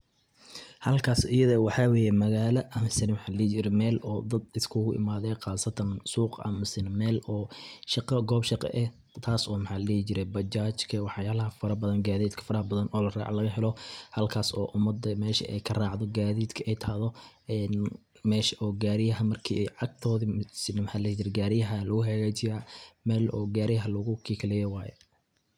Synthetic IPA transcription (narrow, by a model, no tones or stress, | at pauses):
hɐlkʰaːsɪjɐðɐwɑħɑːweːjɛmɐɣaːlɐʔɐmɪsɪnmħɑːlɛːt͡ʃɪɾɛmɛːlɔːd̪ɐd̪ɪskʰʊɣʊʔɪ̰maːðɛqɑːsɐt̪ʰɐnsuːqʔɐ̰mɪsɪnmɛːlɔːʃɑqɐɡɔːbʃɑqɛ̰ʔɛh | t̪ʰaːsɔːmɐħaːlɐlɛːt͡ʃɪɾɛbɐt͡ʃaːt͡ʃkʰɐwɑħjaːlɐɦɐfɐɾɐbɐðɐnɡaːðiːd̪kʰɐ̥fɐɾɐhbɐðɐnʔɔːlɐra̰ːʕlɐɣɐɦɛlɔhɐlkʰaːsɔ̰ːʔʊmɐd̪ɐmɛːʃɐ̰ʔɛ̰jkʰɐraːʕðɔɡaːðiːd̪kʰɐʔɛjt̪ʰaːðɔ | ɛːn | mɛːʃɐʔɔːɡaːɾɪjɐɦɐmɐrkʰḭːɛjʕɑɡ̚t̪ʰɔːðisɪnmħaːlɛt͡ʃɪɾɛɡaːɾɪjɐɦɐlɐɣʊɦɛɣaːt͡ʃɪjaːmɛːlɔ̰ːɡaːɾɪjɐɦɐlɐɣʊkʰiːkʰlɛjɛwaːjɛ̰